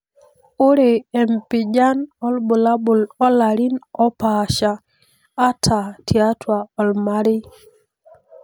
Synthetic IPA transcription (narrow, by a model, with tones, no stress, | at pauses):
o˦ɾe˨ɛ˨mpɪ˨d͡ʒa˦nɔ˦lbʊ˨la˦bʊ˨lɔ˦la˨ɾi˦nɔ˦pa˨ʃaː˨˦ | tʰa˨tʰja˦twa˨ɔ˨lma˦ɾɪ˦